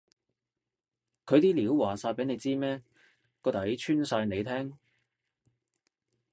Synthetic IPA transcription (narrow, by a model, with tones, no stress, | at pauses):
kʰɵ˨˧ɥt̪iː˥liː˨˥wwaː˨˩saː˧pe˨˥n˨˧jt͡siː˥mɛː˥ | kɔː˧t̪ɐ˨˥jt͡ʃʰyː˥nsaː˧jne˨˧jt̪ʰɛː˥ŋ